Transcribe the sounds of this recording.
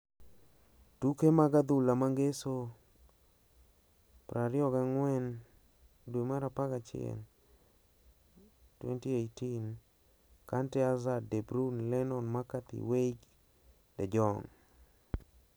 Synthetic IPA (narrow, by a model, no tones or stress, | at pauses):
tukemaɡad̪ulamaŋɡeso | pɾʔaɾɪɔɡaŋwɛn | dwemaɾapaɡat͡ʃɪɛ̰n | twḛntiejtin | kantɛazadebɾunlɛnɔnmakat̪ḭweɡ | dɛd͡ʒɔŋ